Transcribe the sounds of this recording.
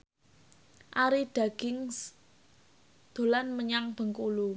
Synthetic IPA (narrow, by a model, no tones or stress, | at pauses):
ʔaɾiɖ̥a̤ɡ̥ɪŋs | d̪̥o̤lanməɲaŋb̥ə̤ŋkulu